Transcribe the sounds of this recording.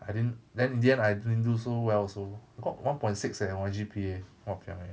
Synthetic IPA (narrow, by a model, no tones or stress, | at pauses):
ajdidndɛ̃nĩndiə̃najdid̃ndusowɛlsoaɡɔʔwʔãnpɔ̃j̃nsiksɛwãd͡ʒipʰie | wɔpiã̰ŋɛ